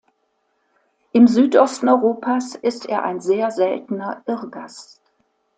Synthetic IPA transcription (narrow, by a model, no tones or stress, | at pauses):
ʔɪmzyːtʔɔstn̩ɔʏʁoːpʰaːsɪstḛːɐʔa̰ɪnzeːɐzɛltn̩ɐʔɪʁɡas